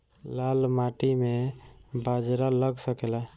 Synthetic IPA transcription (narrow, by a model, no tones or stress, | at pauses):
lalmaʈimebad͡ʒɾaləɡsəkelɛ